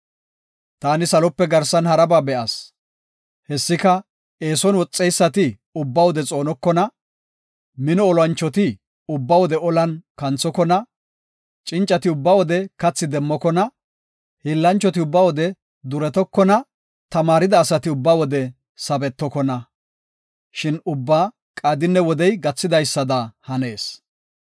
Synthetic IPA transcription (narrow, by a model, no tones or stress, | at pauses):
t̪aːnɪsɐlɔpːɛɡɐɾsɐnhɐɾɐbaːbɛʔɐs | hɛsːɪkɐ | eːsɔnwɔt͡sʼːɛjsːɐt̪ɪ | ʊbːɐwɔd̪ɛt͡sʼo̞ːnɔkːɔnɐ | mɪnɔːlwɐnt͡ʃːɔt̪ɪ | ʊbːɐwɔd̪ɛɔlɐnkɐnt͡sːɔkɔnɐ | t͡ʃʼɪnt͡ʃʼɐt̪ɪʊbːɐwɔd̪ɛkɐt͡sːɪd̪ɛmːɔkɔnɐ | hɪlːɐnt͡ʃːɔt̪ɪʊbːɐwɔd̪ɛ | d̪ʊɾɛt̪ɔkːɔnɐ | t̪ɐmaːɾɪd̪ɐːsɐt̪ɪʊbːawɔd̪ɛ | sɐbɛt̪ːɔkɔnɐ | ʃɪnʊbːaː | kʼaːd̪ɪnːɛwɔd̪ɛjɡɐt͡sːɪd̪ɐjsːɐd̪ɐhɐne̞ːs